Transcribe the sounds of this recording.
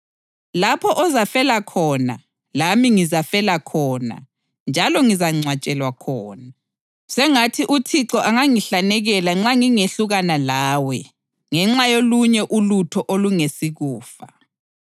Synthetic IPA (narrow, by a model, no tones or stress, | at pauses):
lapʰɔʔɔzafɛlakʰɔːna̰ | lamiŋizafɛlakʰɔːna̰ | nd͡ʒʱalɔŋizaŋ͡ǀʱwat͡ʃʼɛlwakʰɔːna | sɛŋatʰiʔutʰiǁɔʔaŋaŋiɬanɛɣɛlaŋ͡ǁaŋiŋeɬuɣanalaːwɛ | ŋɛŋ͡ǁajoluɲɛʔulutʰɔʔoluŋesiɣuːfa